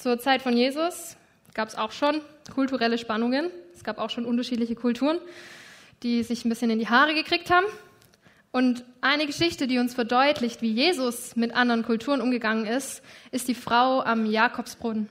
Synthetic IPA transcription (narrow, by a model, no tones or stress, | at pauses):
t͡suːɐt͡saɪtfɔnjeːzʊs | ɡ̥aːpɛ̥sa̰ʊxʃoːnkʰʊltuʁɛləʃpanʊŋənɛsɡ̥aːpaʊxʃoːnʔʊntɐʃiːtlɪçəkʰʊltʰuːʁən | d̥iːzɪçn̩bɪsçənɪndiːɦaːʁ̞əɡəkʁ̥iːk̚thaːbm̩ | ʔʊntʔaɪnəɡəʃɪçtədiːʊnsfɛɐdɔʏtʰlɪçtv̥iːjeːzʊsmɪtʔandəɐʁənkʰʊltʰuːʁənʔʊmɡəɡaŋənɪstʔɪst̚d̥iːfʁ̥aʊamjaːkʰɔpsb̥ʁʊdn